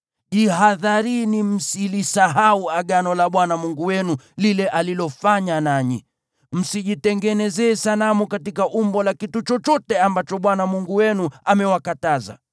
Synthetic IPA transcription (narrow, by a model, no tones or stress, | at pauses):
ʄiɦaðaɾinim̩silisaɦauaɠanɔlaɓwanamuŋɡuwɛnulilɛʔalilɔfaɲanaɲḭ | m̩siʄitɛŋɡɛnɛzɛːsalamukatikaʔumbɔlakitut͡ʃɔt͡ʃɔtɛambat͡ʃɔɓwanamuŋɡuwɛnuamɛwakataza̰